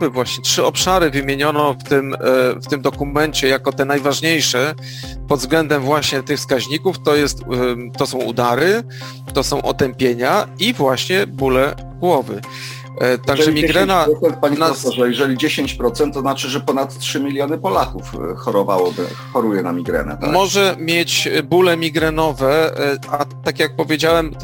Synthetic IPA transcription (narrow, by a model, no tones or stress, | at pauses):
bɘvwaɕɲɛtʂɘɔpʂaɾɘvɘmʲjeɲɔnɔft̪ɘmft̪ɘmd̪ɔkumɛnt͡ɕɛjakɔt̪ɛnajvaʐɲejʂɛ | pɔd̪zɡlɛnd̪ɛmvwaɕɲɛt̪ɘxfskaʑɲikuft̪ɔjɛst̪t̪ːɔsɔ̃w̃ṵd̪aɾɘ | t̪ɔsɔ̃w̃ʔɔ̰t̪ɛmpʲjeɲaivwaɕɲɛbulɛ | ɡwɔvɘ̰ | t̪aɡʐɛmʲiɡɾɛnaɾɔsɛnt̪̚paɲɛnasɔʐɛjɛʐɛlʲid͡ʑeɕeɲt͡ɕpɾɔt̪sɛnt̪ːɔznat͡ʂɘʐɛpɔnat̪tːʂɘmʲilʲjɔnɘpɔlakufxɔɾɔvawɔbɘ | xɔɾujɛnamʲiɡɾɛ̰nɛ̰t̪amɔʐɛmʲjet͡ɕbulɛmʲiɡɾɛnɔvɛʔat̪akʲjak̚pɔvʲjed͡ʑawɛm